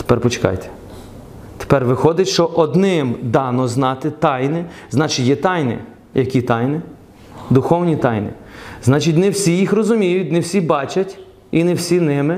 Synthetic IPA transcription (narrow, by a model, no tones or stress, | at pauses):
t̪e̥pɛrpɔt͡ʃe̥kɑ̰jt̪ʰe̥ | t̪e̥pɛrʋɪxɔd̪ɪtʲʃt͡ʃɔʔɔd̪nɪmd̪ɑnɔznɑt̪ɪt̪ɑjnɪznɑt͡ʃɪtʲjɛt̪ɑjnɪ̰ | jɐkʲit̪ɑjnɪ | d̪ʊxɔwnʲit̪ɑjnɪ̰znɑt͡ʃitʲnɛwsʲijixrɔzʊmʲijʊtʲnɪwsʲibɑt͡ʃɐtʲ | inɛwsʲinɪmɪ